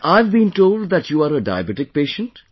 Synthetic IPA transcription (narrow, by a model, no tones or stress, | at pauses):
ʔaɪʋbĩːnʈoːlɖ̚ðæʈjuːaːɾəɖa̰ɪəbɛʈɪk̚peːʃə̃nʈ